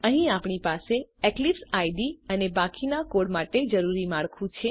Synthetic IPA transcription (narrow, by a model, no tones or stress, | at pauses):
əɦĩapɳ̃ipaseɛklipsajɖiənebakinakoɽmaʈed͡ʒəɾuɾimaɭkʰũt͡ʃʰe